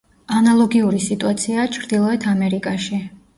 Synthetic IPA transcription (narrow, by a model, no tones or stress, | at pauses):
analˠɔɡiuɾisit̪ʼuat̪sʰiat͡ʃʰɾd̪ilˠɔɛt̪ʰamɛɾikʼaʃi